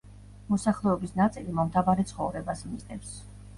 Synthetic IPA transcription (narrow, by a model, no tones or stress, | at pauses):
mɔsaχlˠɛɔbisnat̪sʼilimɔmt̪ʰavaɾɛt̪sʰχɔvɾɛbasmiznɛps